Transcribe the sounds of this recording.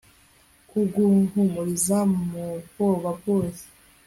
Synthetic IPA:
kuɡuŋhumuɾizamuoβabɡoːse̥

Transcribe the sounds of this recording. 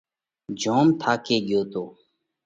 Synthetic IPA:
d͡ʒʱõːmt̪ʰaːkeːɠɪjoːt̪oː

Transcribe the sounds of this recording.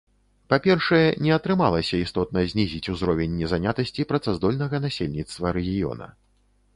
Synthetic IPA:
papʲɛrʂɐjɛnʲɛɐt̪ɾɨmalˠɐsʲɐist̪ɔt̪̚nɐzʲnʲizʲit͡sʲuzɾɔvʲɛnʲːɛzanʲat̪ɐsʲt͡sʲipɾɐt̪sazd̪ɔlʲnɐɣɐnasʲelʲnʲit̪st̪vɐɾɛɣʲijɔ̰nɐ̰

